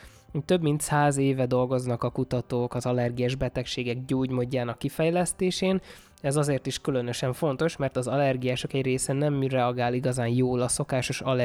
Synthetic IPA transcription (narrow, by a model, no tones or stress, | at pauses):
uc̚t̪ø̞bmint̪saːzeːvɛd̪o̞lɡo̞znɒkɒkut̪ɒt̪oːkɒzɒlɛrɡijaːʒbɛt̪ɛkʃeːɡɛɡ̚ɟoːɟmo̞ɟːaːnɒkːifɛjlɛst̪eːʃeːn | ɛzɒzeːrt̪iʃkylø̞nø̞ʃɛɱfo̞nt̪o̞ʃmɛrt̪ɒzɒlɛrɡijaːʃokɛɟreːsɛnːɛmrɛɒɡaːliɡɒzaːnjoːlɒso̞kaːʃo̞ʃɒlɛ